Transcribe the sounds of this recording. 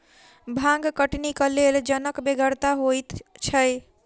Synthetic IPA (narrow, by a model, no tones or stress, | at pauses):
bʱãŋɡkəʈnikəleld͡ʒənəkbeɡəɾt̪aɦojt̪t͡ʃʰəj